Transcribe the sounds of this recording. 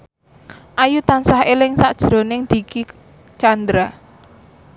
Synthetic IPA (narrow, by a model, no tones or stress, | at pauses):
ʔajut̪ansahelɪŋsaʔd̥ʒ̥ɾo̤nɪŋd̪̥i̤ki | t͡ʃand̪ɾa